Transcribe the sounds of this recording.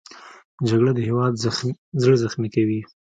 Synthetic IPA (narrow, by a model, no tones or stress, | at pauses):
d͡ʒaɡɽad̪əhewɑd̪zɽzaxmikawi